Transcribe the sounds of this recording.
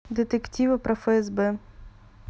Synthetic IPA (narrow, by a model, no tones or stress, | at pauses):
d̪et̪ektʲiʋɐpɾɐfɛɛzbɛ